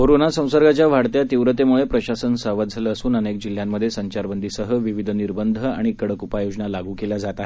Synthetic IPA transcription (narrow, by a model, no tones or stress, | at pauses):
koɾonasə̃w̃səɾɡat͡ɕjaʋ̤aɽt̪jat̪iʋɾət̪emuɭepɾəɕasənsəʋat̪̚d͡zʱaləːsuːnənek̚d͡ʑil̤jamːəd̪ʱjesəɲt͡ɕaɾbənd̪ʱiːsəɦəʋiʋid̪ʱniɾbənd̪ʱəa̰ɽ̃ikəɽəkupajod͡ʑnalaɡuːkelad͡zat̪aɦe